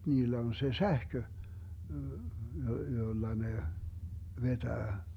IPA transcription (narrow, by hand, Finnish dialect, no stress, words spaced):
niːlːæ on se sæhkø jolːɑ ne ʋetæː